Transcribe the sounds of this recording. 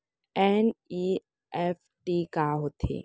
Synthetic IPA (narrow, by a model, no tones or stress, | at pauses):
ɛni | ɛf | ʈikaɦot̪ʰḛː